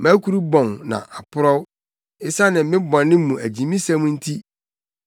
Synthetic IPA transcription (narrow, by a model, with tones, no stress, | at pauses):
mæ̃˦kʰu˦ɾu˦bɔ̃˨nnã̰˨ʔa˨pʰʊ˦ɾɔ˦w | ɪ˦sa˦nɪ̃˨mmɪ̃˦bɔ̃˨nːɪ̃˦mũ˨ʔæ˨d͡ʑĩ˨mĩ˦sã˦mũ˦n̩˦tʰi˦